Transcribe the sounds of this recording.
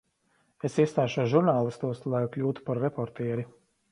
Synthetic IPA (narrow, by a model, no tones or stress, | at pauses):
esist̪aːʃuɔʒuɾnaːlˠist̪uɔslˠajklʲuːt̪u̥paɾːepɔɾt̪ɛɛɾi